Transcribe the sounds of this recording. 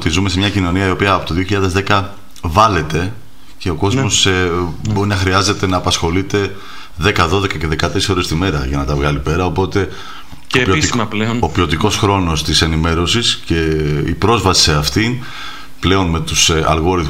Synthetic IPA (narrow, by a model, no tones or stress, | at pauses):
t̪izume̞se̞mɲɐcino̞niɐio̞piɐːpo̞t̪o̞ðio̞çiʎɐðe̞zðe̞kɐ | vɐle̞t̪e̞ | ce̞o̞ko̞zmmo̞sebo̞ɾinɐxɾiɐze̞t̪e̞nɐːpɐsxo̞lit̪e̞ | ðe̞kɐðo̞ðe̞kɐce̞ðe̞kɐt̪esoɾe̞st̪ime̞ɾɐ̰ʝɐnɐt̪ɐvɣɐlipe̞ɾɐo̞po̞t̪e̞ | piolopio̞t̪iko̞sxɾo̞no̞st̪ise̞nime̞ɾo̞sisce̞ḭpɾo̞zvɐsi̥se̞ɐft̪in | ple̞o̞nme̞t̪usɐ̰lɣo̞ɾiθ